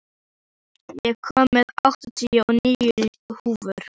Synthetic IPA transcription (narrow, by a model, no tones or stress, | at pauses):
jɛɣkʰɔːmːɛðawht̪ɔt̪ʰiɔniːʏ | huːvʏɾ̥